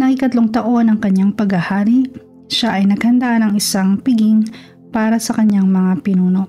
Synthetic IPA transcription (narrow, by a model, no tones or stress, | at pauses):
nɐkikɐt̪loŋt̪ɐʔo̞nɐŋkɐɲːaŋpɐɡhɐhaːɾiʔ | ʃaʔɐjnɐɡ̥hɐnd̪aʔnɐŋɪsaŋpɪɡiŋ | paːɾɐsɐkɐɲːaŋmɐŋapɪnuːno̞ʔ